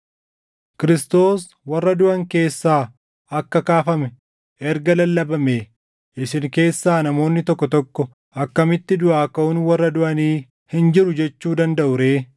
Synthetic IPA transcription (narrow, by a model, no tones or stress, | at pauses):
kɪɾɪst̪o̞ːs | wɐrːɐd̪ʊʔɐŋke̞ːsːaː | ɐkːɐkaːfɐmɛ | ʔɛɾɡɐlɐlːɐbɐmeː | ʔɪsɪŋke̞ːsːaːnɐmo̞ːnːɪt̪ɔkːɔt̪ɔkːɔ | ʔɐkːɐmɪt̪ːɪd̪ʊʔaːkɐʊnwɐrːɐd̪ʊʔɐniː | hɪnd͡ʒɪɾʊd͡ʒɛt͡ʃːuːd̪ɐnd̪ɐʔʊɾeː